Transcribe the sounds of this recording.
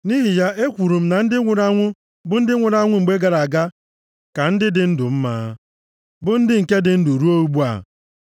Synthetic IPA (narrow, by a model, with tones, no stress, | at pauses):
ni˦ɦi˨ja˦ʔe˦kʷu˨ɾu˨m̩˦na˨n̩˦dɪ˦ɾa˦ŋʷʊ˦ | bʊ˦n̩˦dɪ˦ŋʷʊ˨ɾa˦ŋʷʊ˦ŋ͡m̩˨ɡ͡be˦ɡa˨ɾa˨a˨ɡa˦ | ka˨n̩˦dɪ˦dɪ˨n̩˦dʊ˨m̩˦ma̰ː˦ | bʊ˦n̩˦dɪ˦ŋ̩˨ke˦dɪ˨n̩˦du˨ɾu˦o˦u˦ɡ͡bu˦a̰˨